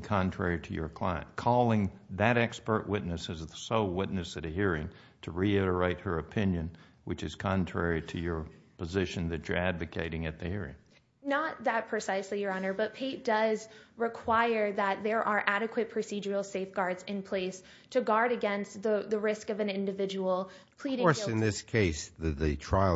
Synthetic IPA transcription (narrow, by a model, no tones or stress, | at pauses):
kʰɑ̃ntʰɹ̥ɛɹiɾɨjə̰˞kʰl̥a̰ɪɨ̰̃nkʰɔlˠɪ̃ŋðɨɾɛkspə˞ʔwɪtⁿnɨsɨzsoʊwɪtⁿnɨsɨɾɨhiɹɪ̃ŋ | tʰɨɹiɪɾə˞eɪt̚hə˞ɨpʰɪ̃njɨ̃n | wɨt͡ʃɨz̥kʰɑ̃ntʰɹ̥ɛɹiɾɨjə˞pʰəzɪʃɨ̃nðɨt͡ʃə̰˞ædvɨkʰeɪɾɪ̃ŋɨt̪̚ðɨhiɹɪ̰̃ŋ | nət̪̚ðɨt̚pʰɹ̥ɨsaɪslijə˞ɑnə˞bʌt̚pʰeɪt̚d̥ʌzɹɨkʰw̥aɪə˞ðət̪̚ðə˞ʔə˞ʔæɾɨkʰwɨt̚pʰɹ̥ɨsid͡ʒə˞l̩ˠseɪfɡ̥ɑɹdzɨ̃npʰl̥eɪs | tʰɨɡɑɹɾɨɡɛ̃nst̪ðɨðɨɹɪskʌvɨ̃nɪ̃ndɨvɪd͡ʒəwl̩ˠ | pʰl̥iɾɪ̃ɔɨ̃nðɪskʰeɪsɨðɨtʰɹ̥aɪ